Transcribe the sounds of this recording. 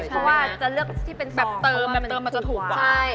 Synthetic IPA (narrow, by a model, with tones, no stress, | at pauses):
pʰɔ˦˥waː˥˩t͡ɕa˨˩lɯ˥˩ək̚t̪ʰiː˥˩pe˧nsbɛː˨˩p̚t̪ɤː˧mbɛː˨˩t̪ɤː˧mːa˧t͡ɕt̪ʰuː˨˩˦kwaːt͡ɕa˥˩j